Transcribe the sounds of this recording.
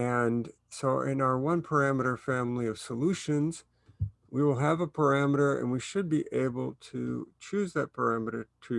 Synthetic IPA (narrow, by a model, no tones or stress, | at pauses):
ɨ̃n | soʊʔɪ̰̃naʊə˞wʌ̃npʰə˞æməɾə˞fæ̃mliʌv̥səluʃɨ̃nz̥ | wiwəlˠəvəpʰə˞æməɾə˞ɨ̰̃nwiʃɨd̚biʔeɪbl̩ˠtʰɨ̰t͡ʃʰʉzðɨt̚pʰə˞æmɨɾə˞ɾʰɨ